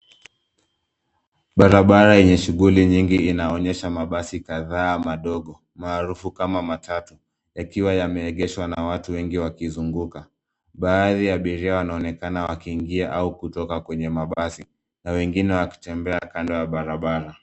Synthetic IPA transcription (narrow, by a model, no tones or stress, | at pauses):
ɓaɾaɓaɾaɛɲɛʃuɣuliɲiŋɡiːnaɔɲɛʃamaɓasikaðaːmaɗɔɠɔ | maːɾufukamamatʰatu | jakiwajamɛːɠɛʃwanawatuwɛŋɡiwakizuŋɡuka | ɓaːðiaɓiɾiawanaɔnɛkanawakiːŋɡiaʔaukutɔkakwɛɲɛmaɓasi | nawɛŋɡinɛwaki̥tɛmbɛakandɔwaɓaɾaɓaɾa